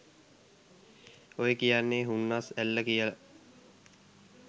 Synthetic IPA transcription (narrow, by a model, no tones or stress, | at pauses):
ojekijanːeɦunːasælːəkijələ